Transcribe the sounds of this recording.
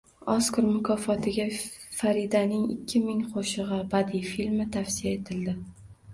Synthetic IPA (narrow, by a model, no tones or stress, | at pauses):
ɒskʊɾmʊkʰɒfɒt̪ʰɪɡʲafaɾid̪anɪŋɪ̰kʲʰːɪmɪŋqʰoʃɨʁɑbad̪ifilmɪt̪ʰafsijae̞t̪ʰɪld̪ɪ